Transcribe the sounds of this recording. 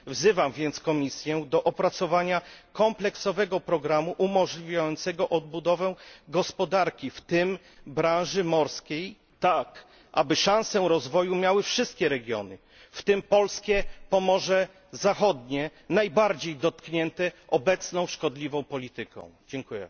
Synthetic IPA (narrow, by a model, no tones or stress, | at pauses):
vzɘvamvʲjɛnt̪skɔmʲisʲjɛ̃d̪ɔʔɔpɾat̪sɔvaɲakɔmplɛksɔvɛɡɔpɾɔɡɾamuʔumɔʐlʲivʲjajɔnt̪sɛɡɔʔɔd̪̚bud̪ɔvɛɡɔspɔd̪aɾkʲift̪ɘm | bɾãnʐɘmɔɾskʲej | t̪ak | ʔa̰bɘʂãw̃sɛɾɔzvɔjumʲjawɘfʂɘst̪̚kʲɛɾɛɡʲjɔ̰nɘ | ft̪ɘmpɔlskʲɛpɔmɔʐɛ | zaxɔd̪ɲɛnajbaɾd͡ʑejd̪ɔt̪kɲɛnt̪ɛʔɔbɛt̪snɔ̃w̃ʂkɔd̪lʲivɔ̃w̃pɔlʲit̪ɘkɔ̰̃w̃d͡ʑɛŋkujɛ̰